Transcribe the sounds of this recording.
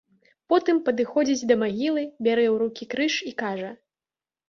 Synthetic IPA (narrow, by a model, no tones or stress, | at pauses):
pɔt̪ɨmpɐd̪ɨxɔd͡zʲid͡zʲd̪ɐmaɣʲilˠɨbʲaɾɛwɾukʲikɾɨʂikaʐɐ